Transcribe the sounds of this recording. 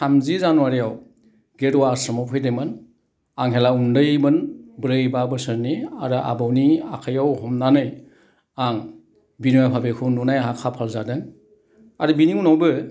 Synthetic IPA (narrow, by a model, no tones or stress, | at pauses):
samzizanuwaɾijaw | ɡeɾwasɔmɔpʰɯjdemɯn | aŋɦelaundɯjbɯnbɾɯjbabɯsɯɾniaɾɯʔa̰bawnia̰kʰajawhɔmnanɯj | aŋ | binujapʰabekʰɯnunajɦakʰapʰalzadɯŋ | aɾɯbiniŋunawbɯ